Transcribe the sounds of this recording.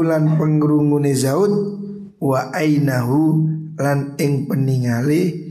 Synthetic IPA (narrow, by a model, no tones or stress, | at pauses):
lanpəŋəɾuŋunezaut̪̚ | waʔajnaɦulanɪŋpəniŋale